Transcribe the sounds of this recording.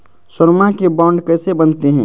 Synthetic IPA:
səɾmakebɔɳɖkəsebənt̪eɦɛ̰̃

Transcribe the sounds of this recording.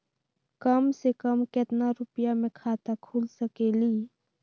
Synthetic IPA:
kəmsekəmket̪naɾʊpjamẽkʰaːt̪akʰuːlsəkeːliː

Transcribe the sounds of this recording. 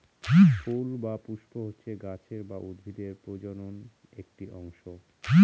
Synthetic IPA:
folbapuʃpoɦotːɕʰeɡat͡ɕʰeɾbaʔod̪ʱid̪eɾpɾod͡ʑonon | ek̚ʈiʔɔŋʃo

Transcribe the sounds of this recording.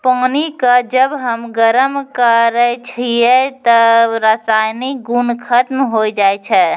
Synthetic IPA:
panikəd͡ʒəbɦəmɡəɾəmkəɾɛt͡ʃʰijɛt̪ɔɾəsajnik̚ɡunkʰət̪mɦojd͡ʒajt͡ʃʰɛ

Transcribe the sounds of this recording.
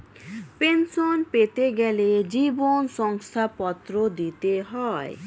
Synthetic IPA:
pensɔnpet̪eɡɛled͡ʒibonsɔŋst̪ʰapɔt̪ɾod̪it̪eɦɔe

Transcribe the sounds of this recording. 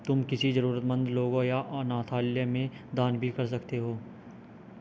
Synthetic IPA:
t̪ʊmkɪsizɐɾuːɾət̪mə̃nd̪loːɡõjaʔɔːnaːt̪ʰaːljəmẽd̪aːnbʱikɐɾs̬ɐkt̪eɦoː

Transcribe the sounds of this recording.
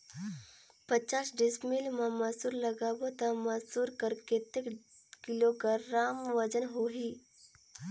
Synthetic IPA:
pət͡ʃaːsɖɪsmilmãmɐsuːɾləɡaːbot̪əmɐsuːɾkəɾket̪ekkɪloɡəɾaːmʋəd͡ʒənɦoɦiː

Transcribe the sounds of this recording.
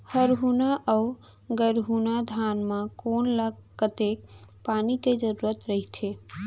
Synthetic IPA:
həɾɦunaʔəʊ | ɡəɾɦunad̪ʱanmãkonləɡkət̪ek̚paːniked͡ʒəɾuɾət̪ɾəɦit̪ʰe

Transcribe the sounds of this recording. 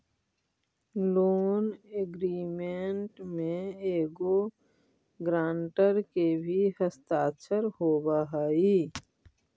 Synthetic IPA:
loːneɡɾiːmeɳʈmẽeːɡo | ɡɾãːɳʈəɾkebʱihəst̪aːtt͡ʃʰəɾhoːbaɦaːi

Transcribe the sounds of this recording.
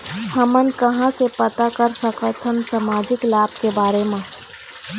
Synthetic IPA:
həmənkəɦãsepət̪akəɾsəkət̪ʰənsamaːd͡ʒɪklaːb̚ʱkebaːɾemẽ

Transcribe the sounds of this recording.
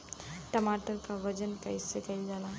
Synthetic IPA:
ʈɐmaːʈəɾkaʋɐd͡ʒənkaɪsːekɐid͡ʒaːnaː

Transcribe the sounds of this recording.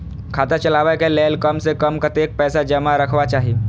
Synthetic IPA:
kʰaːt̪at͡ʃɐlaːʋaekelɛːlkəmsekəmkat̪eːk̚pɛːsad͡ʒɐmaɾəkʰʋat͡ʃaːɦie

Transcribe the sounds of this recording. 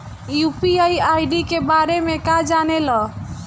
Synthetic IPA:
jupiajajɖikebaɾemekad͡ʒanelɔ̃

